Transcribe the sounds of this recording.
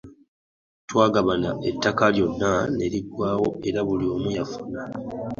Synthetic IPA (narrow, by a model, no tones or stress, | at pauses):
twaːɡaβanaʔetːakaljo̞nːane̞ɾiɡwaːwo̞e̞ɾaβulio̞ːmujafuna